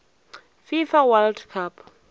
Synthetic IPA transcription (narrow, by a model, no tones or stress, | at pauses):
fifawaldkʰap